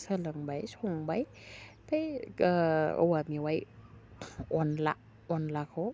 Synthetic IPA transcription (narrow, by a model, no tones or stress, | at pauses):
səlɯŋbajsɔŋbaj | tʰaj | wamiwaj | ɔnla̰ | ɔnlakʰo